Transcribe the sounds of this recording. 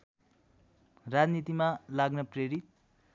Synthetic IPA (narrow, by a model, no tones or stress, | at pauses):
rad͡znit̪imalaɡnʌpɾeɾit̪̚